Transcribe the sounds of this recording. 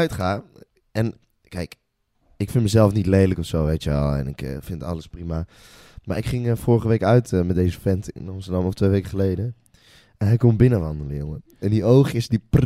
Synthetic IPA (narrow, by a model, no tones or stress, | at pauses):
ɥtχaː | ɛn | kɛjk | ɪkfɪnməzɛlˠfnitlejdləkɔfsowʋejtəʋɛ̰lˠɛ̰nɪkfɪnttɑ̰ləsprima | ma̰ːɹɪkχɪŋfɔːɹəχəʋejkœɥtəmɛt̚dejzəfɛntɪ̰nɑmstəɹdɑmɔftʋejʋejkəχəlejdə | ɛnɦɛjkɔmbɪnəʋɑndələjoŋə | ɛndiowχɪsdipr